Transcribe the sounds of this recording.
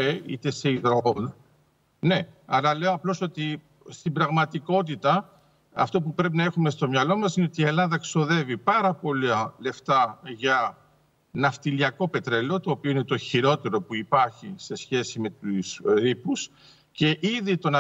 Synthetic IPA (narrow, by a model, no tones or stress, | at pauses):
eḭt̪e̞se̞iðɾon | ne̞ɐɾɐle̞oɐplo̞so̞t̪i | st̪ibɾɐɣmɐt̪iko̞t̪̬it̪ɐ | ɐ̰ft̪o̞pupɾe̞p̬inɐe̞xume̞st̪o̞mɲɐlo̞mɐsineo̞t̪ie̞lɐðɐkso̞ðe̞vipɐɾɐpo̞lɐle̞ft̪ɐʝɐ | nɐft̪iliɐko̞pe̞t̪ɾe̞lo̞t̪o̞ːpioine̞t̪o̞çiɾo̞t̪e̞ɾo̞puipɐɾçise̞sçe̞sime̞t̪usɾipus | ce̞ʔiðit̪o̞nɐ